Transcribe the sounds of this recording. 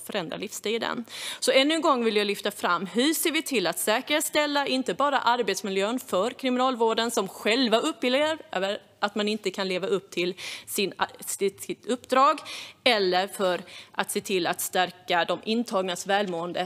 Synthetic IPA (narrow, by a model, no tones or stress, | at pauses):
fœɾɛnd̪ɾa̰lɪfst̪iːd̪ə̰nsɔɛnːɵnɡɔŋːvɪljalʏft̪afɾa̰mːɦɵseːɾvɪt̪ʰɪlːat̪sɛːkəɾet̪st̪ɛlːaɪnt̪əbɑːɾa̰ʔaɾbeːt̪smɪljøːənfœɾkʰɾɪmɪnɑːlvoːɖənsɔmɧɛlvaʔɵpːɪleəɾøːvəɾ | at̪manɪnt̪əkʰanleːvaɵp̚ːt̪ʰɪlsɪnsɪt̪ɪt̪ɵpːd̪ɾɑːɡɛlːəɾfœɾʔat̪seːt̪ʰɪlːat̪st̪æɾkad̪ɔmʔɪnːt̪ʰɑːɡnasvɛːlmoːənd̪ə